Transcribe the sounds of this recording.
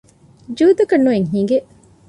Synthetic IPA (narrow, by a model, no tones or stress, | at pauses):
d͡ʒuːd̪ɐkɐnːueŋɦĩːŋɡeʔ